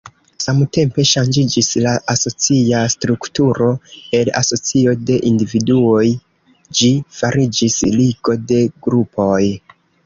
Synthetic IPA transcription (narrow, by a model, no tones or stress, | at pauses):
samte̞mpe̞ʃand͡ʒid͡ʒislaʔaso̞t͡siastɾuktuɾo̞e̞la̰so̞t͡sio̞de̞ʔindividuo̞j | d͡ʒifaɾid͡ʒisliɡo̞de̞ɡɾupo̞j